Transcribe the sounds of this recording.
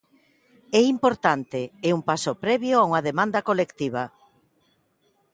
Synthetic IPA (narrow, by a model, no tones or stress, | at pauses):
ɛimpoɾt̪ant̪eːumpasopɾɛβjoauŋaðemãnd̪ɐkolekt̪iβ̞ɐ